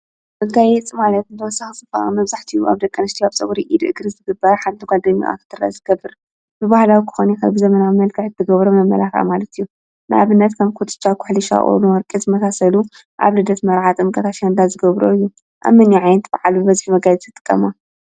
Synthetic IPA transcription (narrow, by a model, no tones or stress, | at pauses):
mɐɡajɛt͡sʼmalɐt̪ɨnt̪ʰɐwɔsːaxizɨfa̰ʔa̰mɐβzaħt̪ʰijuʔa̰βd̪ɐkʼːɐnɨst̪ʰiaβt͡sʼɐbɾiʔid̪ʔɨ̰ɡɾɨzɨɡɨbɐɾħant̪ʰɨkʷʰald̪ɐmːḭʔa̰kʰɨ̥t̪ʰɨɾɐ̰ʔzɨɡ̥ɐbːɨɾ | bɨβahlawikʰɨ̥xonikʰa̰bɨzɐmɐnawimɐlkʰaʕɨt̪t̪ɨɡɐβɾomɐmːɐlaxa̰malɐt̪ʰijːu | nɨʔa̰βɨnːɐt̪kʰɐmkʰot̪ʼɨ̥t͡ʃʼːakʰʊ̥ħliʃa̰ʔo̰nɨwɔɾkʼizɨmɐsasɐlu | ʔa̰βɾɨd̪ɐt̪mɐɾʕat̪ʼɨmkʼɐt̪ʰaʃand̪azɨɡɐβɾoɨjːu | ʔa̰mɨniʕajnt̪baʕalɨbɐzɨħimɐɡajɛt͡sʼʰːɨt̪ʼɨkʼːɐ̰ma